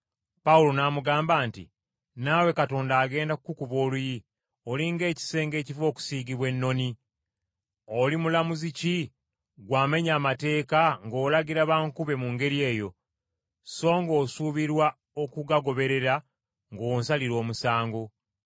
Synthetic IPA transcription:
paulo̞namuɡaːmbaːntḭ | naːwe̞kato̞ːndaːɡe̞ːndakkukuβo̞ːluji | oliŋɡe̞ːci̥se̞ːŋɡe̞ːcivo̞ːku̥siːɡiβwe̞nːo̞ni | olimulamuzici | ɡwaːme̞ɲaːmate̞ːkaŋɡoːlaɡiɾaβaːŋkuβe̞muŋɡe̞ɾie̞ːjo̞ | so̞ːŋɡo̞ːsuβiɾwa | okuɡaɡo̞βe̞ɾe̞ɾa | ŋɡonsaliɾo̞ːmusaːŋɡo

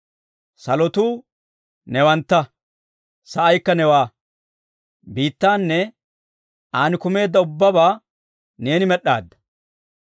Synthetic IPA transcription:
sɐlɔt̪uː | nɛwɐnt̪ːɐ | sɐʔɐjkːɐnɛwaː | biːt̪ːaːnːɛ | aːnɪkʊme̞ːd̪ːɐʊbːɐbaː | ne̞ːnɪmɛɗːa̰ːd̪ːɐ̥

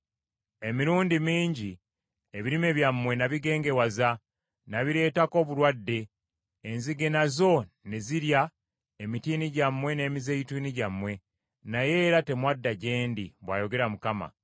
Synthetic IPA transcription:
e̞miɾuːndimiːɲɟi | eβiɾime̞βjamːwe̞naβiɡe̞ːŋɡe̞waza | naβiɾe̞ːtako̞ːβuɾwadːe̞ː | nziɡe̞nazo̞neziɾja | emitiːniɟamwe̞ne̞ːmizeitiːniɟamwe̞ | naje̞ːɾate̞mwadːaɟe̞ːndiβwa̰ːjo̞ɡe̞ɾamukama̰

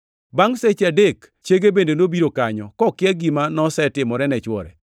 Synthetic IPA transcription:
baŋset͡ʃadek | t͡ʃeɡebendenobiɾokaɲɔ̰kɔkɪjɛɡimanɔsɛtɪmɔɾɛnɛt͡ʃwɔ̰ɾɛ̰

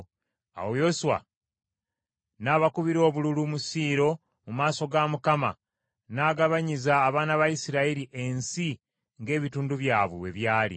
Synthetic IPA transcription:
a̰wojo̞suwa̰ | naːβakuβiɾo̞ːβululumusiːɾo̞ | mumaːso̞ɡamukama̰ | naːɡaβaɲizaːβaːnaβaisiɾaiɾiʔe̞nsi | ŋɡe̞ːβituːnduβjaːβwḛwe̞̰βjaːlḭ

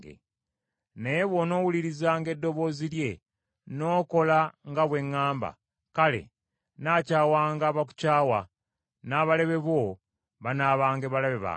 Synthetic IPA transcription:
ɡḛ | nejeβo̞no̞ːwuliɾizaːŋɡe̞dːo̞βo̞ːzilje̞ | no̞ːko̞laŋɡaβwe̞ŋːaːmba̰ | kale̞̰ | naːcaːwaːŋɡaβak̬u̥caːwa | naːβaleβe̞βo̞ | βanaβaːŋɡe̞βalaβeβa̰

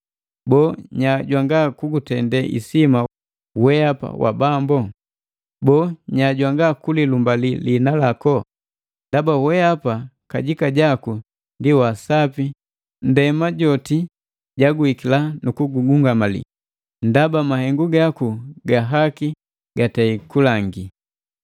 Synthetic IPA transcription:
bɔːɲaɟwaŋɡakuɡutɛndɛʔḭsima | wɛapa̰wʔa̰bambɔ | bɔːɲaɟwaŋɡakulilumbalilinalakɔ | ndabawɛapakaɟikaɟaku | ndiwasapi | n̩dɛmaɟɔti | ɟaɡuikilanukuɡuɡuŋɡamalḭ | ndabamahɛŋɡuɡakuɡaɦaki | ɡataikulaŋɡi

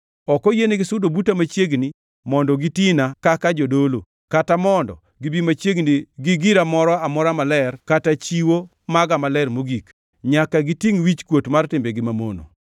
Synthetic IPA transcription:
ɔkɔjenɪɡɪsʊdobutamat͡ʃjeɡni | mɔndɔɡitinakakad͡ʒɔdolo̰ | katamɔndɔ̰ | ɡɪbimat͡ʃjeɡniɡɪɡiɾamɔɾɔamɔɾamalɛrkatat͡ʃiwo | maɡamalɛrmoɡik | ɲakaɡɪtiŋwit͡ʃkwotmartɪmbeɡɪmamo̰no̰

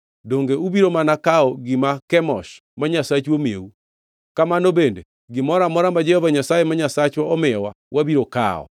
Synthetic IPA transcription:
doŋɡeuβiɾomanakaɔɡimakɛmɔs | maɲasat͡ʃuomeu | kamanobeːnde | ɡimɔɾamɔɾamad͡ʒɛhɔvaɲasajemaɲasat͡ʃwɔɔmɛwa | wʔaβiɾoka̰ɔ̰

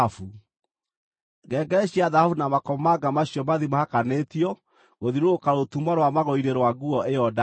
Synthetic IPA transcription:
fu | ɡɛːɡɛɾɛɕiaðahafunamakɔmɔmaɡamaɕjɔmaðimahakanetiɔ | ɣoðiɾoːkaɾotumaɾwamaɣɔiɾeɾwaɡuɔʔejɔda

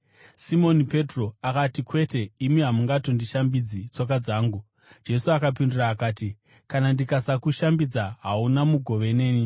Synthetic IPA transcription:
simo̞nipe̞tro̞akatikwe̞te̞imiɦamuŋɡato̞ndiʃambid͡zit͡so̞k̬ad͡zaːŋɡu | d͡ʒe̞suakapinduraːkaːti | kanandikasakuʃambid͡zaɦaunamuɡʱo̞ʋe̞ne̞ːni

